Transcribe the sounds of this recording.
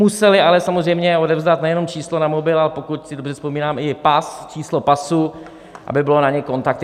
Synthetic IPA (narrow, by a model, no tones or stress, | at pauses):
usɛlɪalɛsamozrɛjmɲɛo̞dɛvzdat̪nɛjɛno̞mt͡ʃiːslonamo̞bɪlalɛpo̞kut̪sɪdobr̝ɛspo̞miːnaːmɪpast͡ʃiːslopasu | ʔa̰bɪbɪlonaɲɛko̞nt̪ak̚t̪